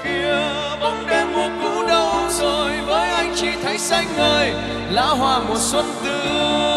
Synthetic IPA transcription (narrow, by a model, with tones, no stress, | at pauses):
ki˧˨ə | ɓə˧˩wŋ͡mɗe˧mmo˨˩t̚kṵ˧˥ɗə˨˦wzo˨˩jvəː˨˦jʔa˧jŋ̟t͡ɕi˧˩t̪ʰə˨˦jsa˧jŋ̟vəː˧˩j | la̰ː˧˥ɦwaː˧˩mo˨˩t̚swə˦˥n̚t̪ɨ˧